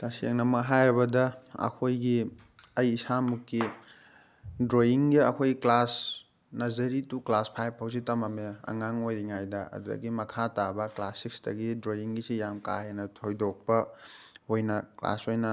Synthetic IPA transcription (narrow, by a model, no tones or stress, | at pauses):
tasḛŋnɐmɐɦajɾɐbɐdɐɐ̰kʰojɡi | ɐjːsamukːi | dɾojiŋɡiɐkʰojɡiklas | nɐzɐɾituklaspʰajb̚ʰawzitɐmɐmeɐ̰ŋaŋojɾiŋajdɐɐ̰dudɐ̰ɡimɐkʰatabɐklasikstɐ̰ɡidɾojiŋɡisijamka̰henɐtʰojdok̚pɐhojnɐkla̰sojnɐ